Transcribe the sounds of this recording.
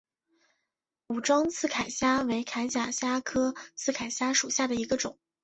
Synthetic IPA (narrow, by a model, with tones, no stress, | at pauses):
u˨˩ʈ͡ʂwɑ˥ŋt͡sʰɹ̩˥˩kʰa˨˩ɪɕja˥we˧˥ɪkʰa˧˥ɪt͡ɕja˨˩ɕja˥kʰɤ˥t͡sʰɹ̩˥˩kʰa˨˩ɪɕja˥ʂu˨˩ɕja˥˩d̪ə˩i˧˥ɡə˧ʈ͡ʂʊ˨˩˦ŋ